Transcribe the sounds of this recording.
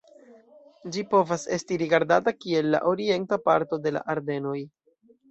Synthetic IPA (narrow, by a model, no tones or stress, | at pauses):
d͡ʒipo̞vase̞stiɾiɡaɾdatakie̞lːa̰ʔo̞ɾie̞ntapaɾto̞de̞la̰ʔaɾde̞no̞j